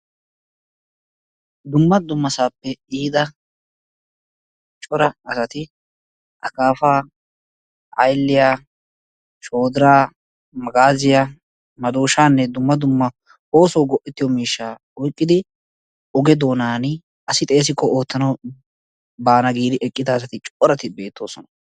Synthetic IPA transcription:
d̪ʊmːɐd̪ʊmːɐsaːpːɛiːd̪ɐ | t͡ʃʼɔɾɐɐsɐt̪ɪ | ʔɐkaːfaː | ɐjlːɪjaː | ʃoːd̪ɪɾaː | mɐɡaːzɪja | mɐd̪uːʃaːnːɛd̪ʊmːɐd̪ʊmːɐ | o̞ːsɔwɡɔʔɛt̪ːɪjɔmiːʃːaː | ɔjkʼːɪd̪ɪ | ɔɡɛd̪o̞ːnaːnɪ | ʔɐsɪt̪ʼe̞ːs̬ɪkːɔʔo̞ːt̪ːɐnɐw | baːnɐɡiːd̪ɪʔɛkʼːɪd̪ɐːs̬ɐt̪ɪt͡ʃʼːɔɾɐt̪ɪbe̞ːt̪ːoːsɔnɐ̥

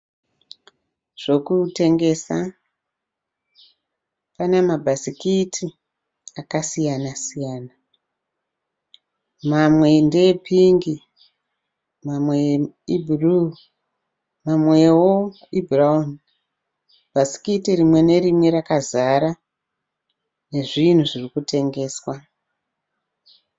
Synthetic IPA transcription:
ʐ̥o̞kute̞ŋɡe̞sa | panemabʱasikitʰi | akasijanasijaːna | mamwe̞ndepʰiŋɡi | mamwe | ibʱru | mamwejwo | ibʱraun | bʱasi̥kitirimwe̞ne̞ɾimwe̞ɾakazaɾa | ne̞ʐin̤uʐirikute̞ŋɡe̞ːswa

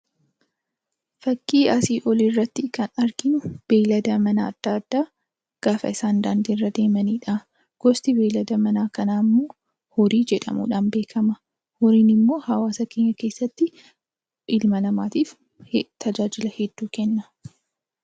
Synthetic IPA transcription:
fɐkʼːiːɐsiːʔɔliːrːɐt̪ːɪkɐnɐɾɡɪnʊb̥eːlɐd̪ɐmɐnɐ̰ːd̪̥ːaːd̪̥ːaː | ɡ̥aːfɐ̰ɪsaːnd̪aːnd̪iːrːɐd̪e̞ːmɐniːᶑa | ɡ̥ɔst̪ɪbeːlɐd̪ɐmɐnaːkɐnaːmːoː | hɔɾiːd͡ʒɛᶑɐ̰mṵːᶑaːnbe̞ːkʰɐmɐ | hɔɾiːnɪmːo̞ːhɐwaːsɐkeːɲːɐke̞ːsːɐt̪ːɪ | ʔɪlmɐlɐmaːt̪iːf | t̪ʰɐd͡ʒaːd͡ʒɪlɐhɛd̪ːuːkɛnːɐ

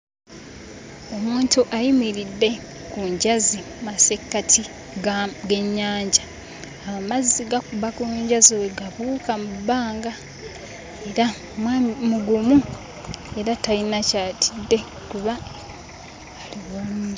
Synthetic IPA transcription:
o̞muːntuʔajimiɾidːe̞ | kuɲɟazi | mase̞kːatʰi | ɡe̞ɲːaːɲɟaː | mazːiɡakuβakuuɲɟazoweɡaβuːkamubːaːŋɡa | e̞ɾa | mamuɡumu | e̞ɾatainacaːtʰi̥dːe̞ | kuβa | liβo

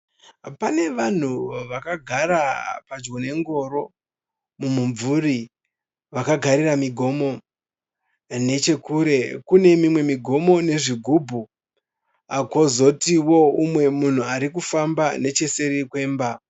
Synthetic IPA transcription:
pane̞ʋan̤uʋakaɡʱaɾapad͡ʒɡone̞ŋɡo̞ːɾo̞ | mumuɱvuri | ʋakaɡʱaɾiramiɡʱo̞mo̞ | ne̞t͡ʃe̞kuːɾe̞kune̞mimwe̞miɡʱo̞mo̞ne̞ʐiɡʱubʱu | ako̞zo̞tiwo̞umwe̞mun̤uaɾik̬ufambane̞t͡ʃe̞se̞ɾikwe̞ːmba

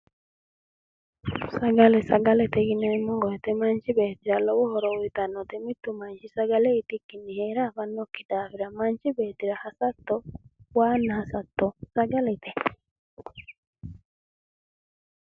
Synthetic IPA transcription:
saɡalɛsaɡalet̪ɛɣinɛmuŋɡɔɛt̪ɛmaɲt͡ʃiβɛtiɾalɔwɔhɔɾɔwit̪anɔt̪imit̪umaɲt͡ʃisaɡaleit̪ikinihɛɾaβanokidaβiɾamaɲt͡ʃiβɛːt̪iɾahasat̪ɔwanahasat̪ɔsaɡalet̪ɛ

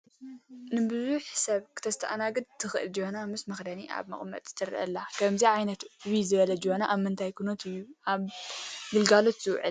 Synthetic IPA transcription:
nɨbɨzuħsɐβkʰɨ̥t̪ʰɐst̪ʰɐ̰ʔanaɡɨd̪̚t̪ʰɨxɨʔɨld͡ʒihonamɨsmɐxd̪ɐniʔa̰βmɐ̰χʼmɐ̰t̪ʼzɨ̥t̪ʰɐɾʔɐ̰lːakʰɐmziʕajnɐt̪βizɨβɐlɐd͡ʒihonaʔaβmɨnt̪ʰajkʰunot̪ɨjːuʔaβɡɨlɡalo̞t̪z̥ɨwʕɨ̰l

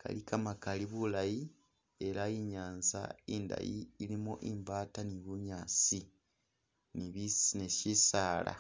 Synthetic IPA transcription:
kʰa̰likamakaliβulaji | e̞ɾajiɲaːnza̰iːnda̰jḭːlimuʔimbaːtaniβuɲaːt͡si | niβisnesisaːla̰

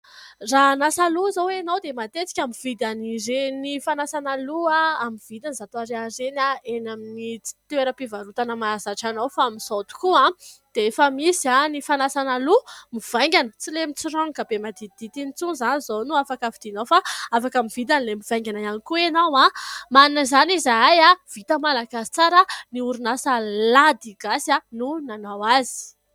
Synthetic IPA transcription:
ranasaluzowenowd̪emat̪et͡si̥kʲamiv̥id̪aniɾenifanasanaluaamiv̥id̪anzat̪oaɾeaɾenaenaminit͡si̥t̪eɾəpivaɾut̪anəmazaʈ͡ʂanowfamisot̪u̥kuãd̪̥eefəmisianifanasanalumiv̥ajŋɡʲanət͡silemit͡sirɔŋkabemad̪id̪̥it̪init͡suzanizonuafakəvid̪̥inowfaafakamiv̥it̪̬anlemivajŋɡʲanaanikuenawamanunəzanizaajav̥it̪əmalaɡasi̥t͡saɾəniuɾunasəlad̪iɡasjanunanawazi̥

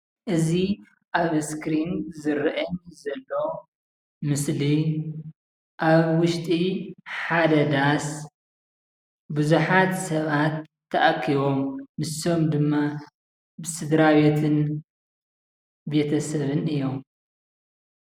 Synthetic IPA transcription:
ʔɨzi | ʔaβskɾinzɨɾʔɐɲzɐlːo̞ | mɨsli | ʔaβwʊʃt̪ʼiħad̪ɐd̪as | buzuħat̪sɐβat̪ʰː | ɐʔakʰːiβo̞mːɨso̞md̪ɨmːa | bɨsɨd̪ɾaβe̞t̪ʰɨn | be̞t̪ʰɐsɐβɨnɨjːom

